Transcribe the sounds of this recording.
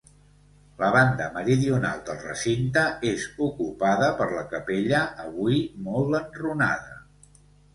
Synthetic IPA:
ləβ̞and̪əməɾiðiuna̰lˠd̪əlˠrə̰sint̪əezukupaðəpəɾləkəpeʎəːβujmɔlˠənruna̰ðə

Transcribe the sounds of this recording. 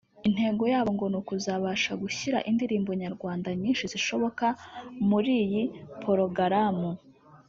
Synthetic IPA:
in̥he̞ːŋɡo̞jaːβoŋɡo̞nukuzaβaːʃaɡuçiɾa̰ʔindiɾiːmbo̞ɲaɾɡwaːndaɲiːnʃiziʃo̞βo̞kamuɾiːjipʰo̞ɾo̞ɡaɾamu

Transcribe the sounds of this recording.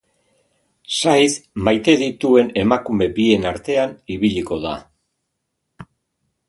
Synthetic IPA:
sajðmajt̪e̞ðit̪ue̞ne̞makume̞bie̞naɾt̪e̞aniβiʎiko̞ða̰

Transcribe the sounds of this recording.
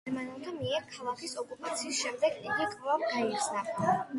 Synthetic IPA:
ɾmanɛlˠt̪ʰamiɛɾkʰalˠakʰisɔkʼupʼat̪sʰiːsʃɛmd̪ɛɡiɡikʼvavɡaiɾsna

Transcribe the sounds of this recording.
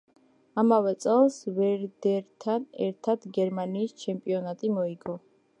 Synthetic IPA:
amavɛt̪sʼɛlˠsvɛɾd̪ɛɾt̪ʰanɛ̰ɾt̪ʰad̪ɡɛɾmaniːst͡ʃʰɛmpʼiɔnat̪ʼimɔiɡɔ

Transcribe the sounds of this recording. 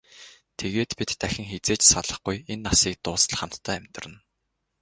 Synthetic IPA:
t̪ʰeɣeːt̪pit̪ːæxʲɪ̆ŋxet͡seːt͡ɕsaɮə̆χɡujenːasiːk̚t̪ʊːsə̆ɮχam̥t̪ʰːæːæmʲt̪ə̆rə̆n

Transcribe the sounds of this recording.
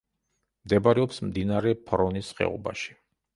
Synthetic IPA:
md̪ɛbaɾɛɔpsmd̪inaɾɛpʰɾɔnisχɛ̰ɔ̰ba̰ʃi̥

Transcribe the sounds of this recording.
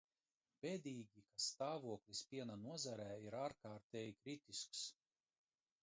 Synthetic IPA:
bed̪ʲiːɡʲikast̪aːvuɔklʲˠispʲiɛnanuɔzaɾæːiɾaːɾkaːɾt̪eːjikɾit̪isks

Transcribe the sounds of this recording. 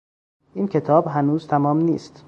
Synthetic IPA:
ʔiːncʰe̞t̪ʰɒːbɦænuːzt̪ʰæmɒːmniːst̪

